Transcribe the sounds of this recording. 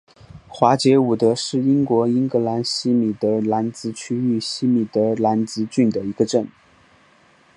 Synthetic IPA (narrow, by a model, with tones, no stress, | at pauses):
xwa˧˥t͡ɕjɛ˧˥u˨˩t̪ə˧˥ʂɻ̩˥˩i˥ŋkwɔ˧˥i˥ŋkɤ˧˥la˧˥nɕi˥mi˨˩t̪ɤ˧˥la˧˥nt͡sɹ̩˧˥t͡ɕʰy˥y˥˩ɕi˥mi˨˩t̪ɤ˧˥la˧˥nt͡sɹ̩˧˥t͡ɕy˥˩nd̪ə˩i˧˥ɡ̥ə˧ʈ͡ʂə˥˩n